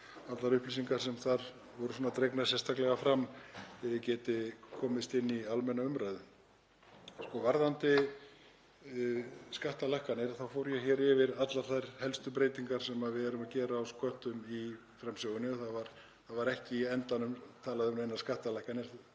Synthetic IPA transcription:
at̪laɾʏhplisiŋkaɾsɛmθaɾ | vɔɾʏsɔːnat̪ɾejknḁsjɛst̪ʰaklɛɣafɾamːɛðɪcɛːt̪ɪkʰɔːmɪst̪ɪnːialmɛnːaʏmɾajðʏ | skɔvaɾðant̪ɪ | skaht̪alahkanɪɾaθawfowɾjɛçɛɾɪvɪɾat̪laɾ̥θajɾ̥hɛlst̪ʏpɾeːjt̪iŋkaɾ̥sɛmaðvɪɛɾʏmaðcɛːɾaawskœht̪ʏmi | fɾamsjowɣʏnːɪɔθaðvaɾ | θaðvaɾɛhcɪiɛnt̪anʏmt̪ʰaːlaðɪʏmnejnːaskaht̪alahkanɪɾ̥

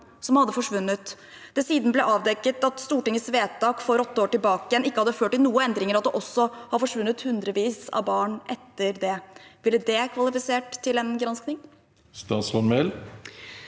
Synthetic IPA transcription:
sɔmhɑd̪ːəfɔʂʋʉnːət̪ | d̪ɛsiːd̪n̩əblɛʔɑːʋd̪ɛkːət̪ɑt̪st̪uːʈɪŋːəsʋeːt̪ːɑːkfɔɾɔt̪ːəoːʈɪlbɑːkəjɛnɪkːəhɑd̪ːəføːʈːɪlnuːəɛnd̪ɾɪŋəɾɑt̪̚d̪ɛʔɔsːɔhɑɾfɔʂʋʉnːət̪hʉnd̪ɾəʋiːsɑ̰ʋbɑːɳʔɛt̪ːəɾd̪ɛʋɪlːəd̪ɛkʰʋɑlɪfɪseːʈt̪ʰːɪlɛnɡɾɑnsknɪŋ | st̪ɑːsɔnmɛl

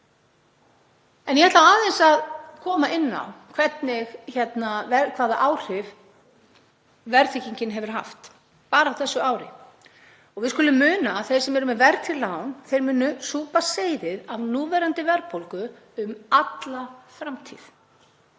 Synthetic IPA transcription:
ɛnjɛhɛht̪laaːðɛnsaðkʰɔːmaʔɪnːa̰wkʰvɛt̪nɪɣçɛt̪navɛkʰv̥aːðaʔaːwr̥ɪv | vɛɾt̪ʰiciɲcɪnɦɛvʏɾ̥ɦa̰ft̪ | paːɾawθɛsːʏaːwɾɪ̰ | ɔɣvɪðskʏlʏmːʏːnaθejsɛmvɛɾʏmɛvɛɾt̪ʰɪlawnθejɾmʏːnʏsuːpaseːjðɪðavnuːvɛːɾant̪ɪvɛɾpolkʏ | ʏmat̪lafɾamt̪ʰḭð

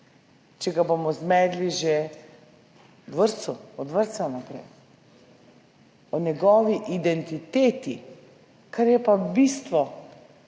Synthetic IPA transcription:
t͡ʃɛɡabomɔzmɛːd̪liʒe | d̪ʋəɾt̪suɔd̪ʋəɾt̪sanapɾɛ̰j | ɔnɛɡɔːʋiʔid̪ɛnt̪it̪eːt̪i | kaɾjɛpabist̪ʋɔ

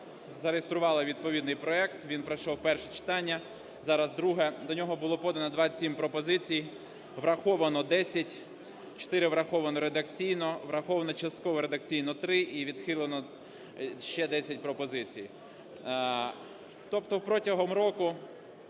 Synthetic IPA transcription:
zɐɾejest̪ɾʊʋɑlˠɪʋʲid̪̚pɔʋʲid̪nɪjpɾɔɛkt̪ʋʲinpɾɐjʃɔwpɛrʃɛt͡ʃɪ̥t̪ɑnʲːɐ | zɑɾɐzd̪ɾuɦɛd̪ɔnʲɔɦɔbʊlˠɔpɔd̪ɐnɔd̪ʋɑsʲimpɾɔpɔzɪt͡sʲij | ʋɾɐxɔʋɐnɔd̪ɛsʲɐtʲ | t͡ʃɔ̥t̪ɪɾɪʋɾɐxɔʋɐnɔɾed̪ɐkt͡sʲijnɔʋɾɐxɔʋɐnɔt͡ʃɐst̪kɔʋɔɾed̪ɐkt͡sʲijnɔt̪ɾɪʔiʋʲid̪xɪlˠenɔ | ʃt͡ʃɛd̪ɛsʲɐtʲpɾɔpɔzɪt͡sʲij | t̪ɔpt̪ɔwpɾɔtʲɐɦɔmɾɔkʊ

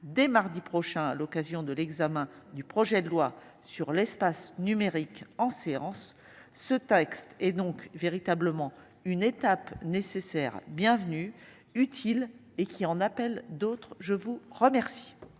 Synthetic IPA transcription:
d̪ɛmaʁd̪ipχɔʃɛ̃a̰lɔkazjɔ̃d̪əlɛɡzamɛ̃d̪ypχɔʒɛd̪əlwa | syʁlɛspasnymeʁikɑ̃seɑ̰̃sː | ət̪ɛkst̪ɛd̪ɔ̃kveʁit̪abləmɑ̃ | ynet̪apnesesɛʁbjɛ̃vny | yt̪ʰil | ekʲʰiɑ̃napɛld̪ot̪χʒəvuʁəmɛʁsi̥

